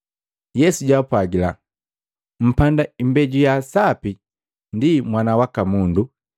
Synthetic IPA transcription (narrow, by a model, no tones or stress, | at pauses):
jɛsuɟapwaɡila | m̩pandaimbɛɟujasapi | ndimwanawakamundu